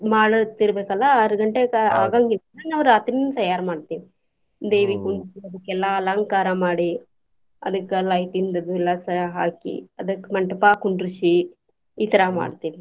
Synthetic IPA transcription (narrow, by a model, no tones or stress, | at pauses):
maːɭɐɾt̪iɾɐbeːkɐlːɐɐɾɐɡɐɳʈeɐaːɡaːŋɡilnaːnɐʋɐɾaːt̪ɾinːt̪ɐjaːɾmaːɽt̪iːʋi | d̪ejʋikuɳɖt͡ʃiɐd̪ɐkːɛlːaːlaːŋkaːɾãmaːɽi | ɐ̰d̪ɐkːlɐjʈind̪ɐd̪uɛlːasɐɦaːkḭɐd̪ɐkːmɐɳʈɐpaːkuɳɖɾut͡ʃi | iːt̪ɐɾaːma̰ːɽt̪iːʋi